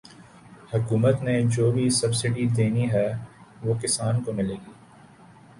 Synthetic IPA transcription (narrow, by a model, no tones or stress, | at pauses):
hʊkuːmət̪ned͡ʒoːbʱisɐbsɪɖid̪eːniɦɛʋoːkɪsaːnkomɪleːɡiː